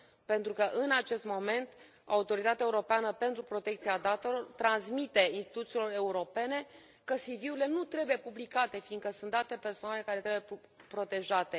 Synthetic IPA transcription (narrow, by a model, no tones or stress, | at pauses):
pe̞nt̪ɾukəʔɨnat͡ʃe̞st̪mo̞me̞nt̪ | a̰ut̪o̞ɾit̪at̪eaeuɾo̞peanəpe̞nt̪ɾupɾo̞t̪e̞kt̪siad̪at̪e̞lo̞rt̪ɾansmit̪e̞inst̪i̥t̪ut̪silo̞re̞uɾo̞pe̞ne̞ | kəsiviwile̞nut̪ɾe̞buje̞publikat̪e̞fiŋɡkəsunt̪d̪at̪e̞pe̞rsoannele̞kaɾet̪ɾebuje | pɾo̞t̪e̞ʒat̪e̞